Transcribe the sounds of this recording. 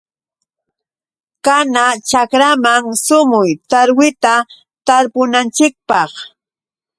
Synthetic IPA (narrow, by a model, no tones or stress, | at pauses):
kanat͡ʃakɾamaŋsʊmʊjt̪aɾwɪt̪a | t̪aɾpʊnant͡ʃɪk̚pɑχ